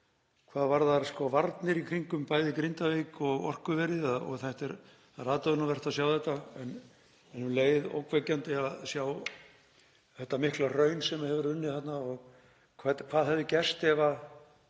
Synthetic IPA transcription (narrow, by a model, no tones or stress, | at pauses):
kʰvaːðvaɾðaɾskɔvaɾt̪nɪɾikʰɾiŋkʏmpaːjðɪkɾɪnt̪avejkɔɣɔ̰r̥kʏvɛɾɪðaɔ̰ɣθɛjht̪ɛɾ | aɾaːt̪aðʏnavɛr̥t̪aðsjawθɛht̪ːaɛn | ɛnhuleːjðo̰wkvɛcːant̪ɪaðsjaw | θɛht̪ːamɪhklarœːɥnsɛmahɛvʏɾʏnːɪθat̪naɔɣ | kʰvɛt̪kʰv̥aːðɦɛvðɪcɛst̪ɛva